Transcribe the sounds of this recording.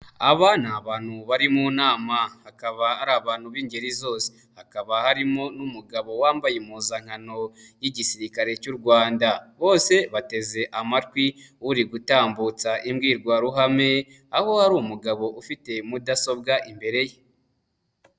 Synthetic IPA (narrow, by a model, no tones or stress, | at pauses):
aβanaβaːn̥huβaɾimunaːmahakaβaaɾaβaːnhuβiːɲɟe̞ɾizo̞ːse̥ | hakaβahaɾimo̞numuɡaβo̞waːmbajemuːzaŋ̥hano̞jiɟisiɾikaɾe̞cuɾɡwaːndaβo̞ːse̞βate̞ze̞ʔamatwiuɾiɡutaːmbut͡saʔimɡiːɾɡwaɾuɦame̞ | aho̞haɾuːmuɡaβo̞ʔufite̞mudaso̞bɡaʔimbe̞ɾe̞je